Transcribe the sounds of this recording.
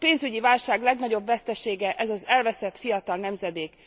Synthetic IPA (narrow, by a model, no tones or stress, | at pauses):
peːnzyɟivaːlʃaːɡlɛɡnɒɟo̞bvɛst̪ɛʃeːɡɛʔɛzɒzɛlvɛsɛt̪fijɒt̪ɒlnɛmzɛd̪eːk